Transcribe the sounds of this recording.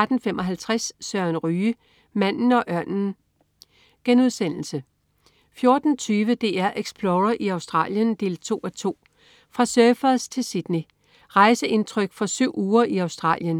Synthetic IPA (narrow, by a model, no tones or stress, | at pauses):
d̥n̩femʔɒ̽ɦælt͡sʰʁassɶɐnʁyː | mæn̰n̩ɒ̽ʔɶɐnn̩ | ɡ̥enuðˠsen̰l̩sə | fjo̝ɐd̥n̩t͡sʰyːʋəd̥e̝̰ːæɐ̰ʔeɡ̥sb̥loːʁɐʔiɑ̈ʊsd̥ʁɑ̰̈ːljənd̥e̝̰ːlt͡sʰo̝̰ːæt͡sʰo̝̰ː | fʁɑ̈sœɐfɐðˠst͡sʰe̝lsid̥ni | ʁɑ̈ɪsəʔe̝nt͡sʰʁœɡ̥fɒ̽syʊ̰uːɐʔiɑ̈ʊsd̥ʁɑ̰̈ːljən